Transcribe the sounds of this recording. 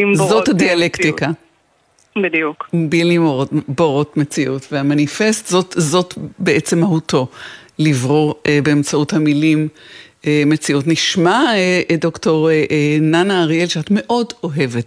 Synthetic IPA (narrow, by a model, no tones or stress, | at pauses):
zothadialektika | bidijukbilimoʁoboʁo̞tmet͡siʔutveamanife̞stzotzo̞tbeʔet͡se̞mahutʰo̞livʁoʁbeemt͡sauthamilim | emet͡siutniʃmaedo̞kto̞ʁenanaːʁielʃeatme̞ʔo̞do̞ɦe̞vet